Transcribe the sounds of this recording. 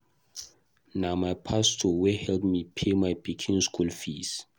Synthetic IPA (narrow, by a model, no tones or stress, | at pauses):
namajpʰastʰɔwɛhɛldmipʰemajpʰikʰĩnskʰulfis